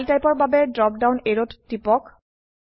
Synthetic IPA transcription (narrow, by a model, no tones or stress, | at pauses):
ltajpɔɹbabɛdɹɔp̚dawneɹottːipɔk